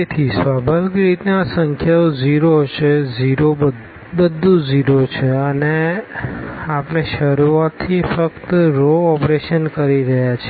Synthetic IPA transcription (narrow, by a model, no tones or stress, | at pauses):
et̪ʰisʋabʱəʋɡɾit̪nasə̃ŋkʰjaod͡ʒiɾot͡ʃʰed͡ʒiɾobə | bəd̪ʱːũd͡ʒiɾot͡ʃʰeəne | apəneʃəɾuat̪ʰːifəkt̪ɾoɔpɾeʃənkəɾiɾəɦjat͡ʃʰe